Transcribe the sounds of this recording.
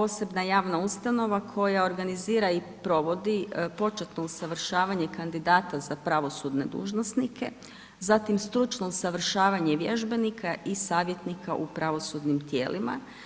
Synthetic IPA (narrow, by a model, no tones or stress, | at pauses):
po̞ːse̞bnajaːʋnaust̪ano̞ʋakʰo̞jao̞ɾɡaniziːɾai | pɾo̞ʋo̞d̪ipo̞t͡ʃet̪nousaʋr̩ʃaːʋaɲekand̪id̪aːt̪azapɾaʋo̞sud̪ne̞d̪ṵːʒno̞snikʰe̞̰ | zat̪imst̪ɾut͡ʃno̞usaʋr̩ʃaːʋaɲe̞ʋje̞ʒbe̞nikʰaʔisaːʋje̞t̪nikʰa̰ʔupɾaʋo̞sud̪nimt̪jḛːlʔima̰